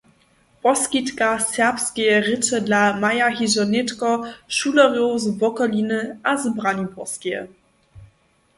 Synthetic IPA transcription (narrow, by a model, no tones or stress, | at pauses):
pɔskitkasɛʁpskejəʁɪtədlamajaɦizɔnɛtkɔʃuːlɐʁjozbɔkɔlinəʔazbʁanupɔskijə̰